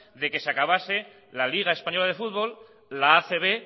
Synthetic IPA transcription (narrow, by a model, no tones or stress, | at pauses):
ðe̞ke̞sakaβase̞ | laliɣ̞ae̞spaɲo̞laðe̞fut̪βo̞l | laːθe̞β̞e̞